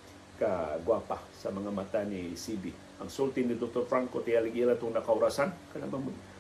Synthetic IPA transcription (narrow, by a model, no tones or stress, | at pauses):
kaɡwapasɐmɐŋamat̪anisibi | ʔɐŋsolt̪ɪnɪd̪ok̚t̪oɾfɾaŋkot̪ɪjalɪɡilat̪oŋnɐkaʊɾasankɐlabamʊn